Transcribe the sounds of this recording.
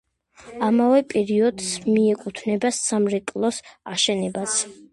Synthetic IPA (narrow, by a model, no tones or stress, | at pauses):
amavɛpʼɛɾiɔd̪smiɛkʼut̪ʰnɛbasːamɾɛkʼlˠɔsaʃɛnɛbat̪sʰ